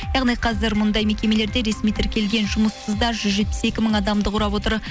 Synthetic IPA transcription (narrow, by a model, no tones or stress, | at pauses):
jɑʁnijqʰɑzɪɾmʊnd̪ɑjme̞kʲe̞me̞le̞ɾd̪e̞ɾe̞smijt̪ʰɪɾkʲe̞lɡʲe̞nʒʊməsəzd̪ɑʒʏzʒe̞t̪̚pɪ̥se̞kʲɪməŋɑd̪ɑmd̪əqʰʊɾɑpwo̞t̪əɾ